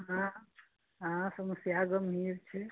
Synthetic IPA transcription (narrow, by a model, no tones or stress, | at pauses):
ɦã | ɦãsəməsjaɡəmɦiɾt͡ʃʰɛ